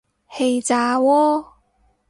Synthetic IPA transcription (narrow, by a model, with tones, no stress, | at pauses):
he˨˧jt͡saː˨˧wɔː˦˥